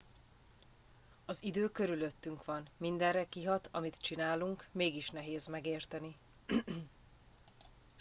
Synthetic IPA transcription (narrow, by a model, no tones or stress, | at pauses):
ɒzid̪øːkø̞ɾyløt̪ːyŋkʋɒnmind̪ɛrrɛkiɦɒt̪ʰɒmit̪t͡ʃinaːluŋkmeːɡiʃnɛɦeːzmɛɡeːrt̪ɛni